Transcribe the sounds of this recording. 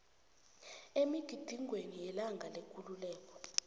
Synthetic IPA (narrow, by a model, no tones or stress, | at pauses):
emiɡ̥ʱid̥ʱiŋʱwenijɛlaŋɡʱalekʼululɛːk̬ʼɔ̥